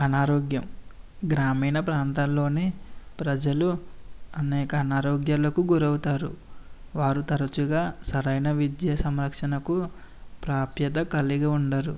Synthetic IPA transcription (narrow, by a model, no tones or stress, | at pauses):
ɐnaːɾɔːɡjɐm | ɡɾaːmiːnɐpɾaːnt̪anlo̞ːneːpɾɐd͡ʒɐluɐnɛːkɐːnaːɾɔːɡjaːlɐkuɡuɾɐwut̪aːɾṵ | ʋaːɾut̪ɐɾɐt͡ʃuɡaːsɐɾɐjnɐʋid̪jɐsɐmɾɐkʂɐnɐku | pɾaːpjɐd̪ɐkɐliɡaːuɳɖaːɾu